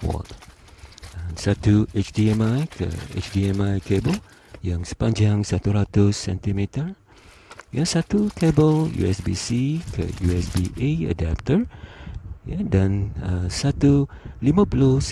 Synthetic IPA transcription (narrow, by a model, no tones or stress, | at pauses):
wɔ̰t̪ | ə̃sat̪uet͡ʃdiɛ̃majkʰə̰ḛt͡ʃdiɛmajkebəl | jãŋsə̥pãɲd͡ʒaŋsat̪uɾat̪ʊsːɛ̰̃nt̪imit̪ə | jasat̪ukʰebəljṵɛsbḭsikʰə̰juɛsbiʔeə̰dap̚t̪ər | jadãnəsat̪ulimə̃pulos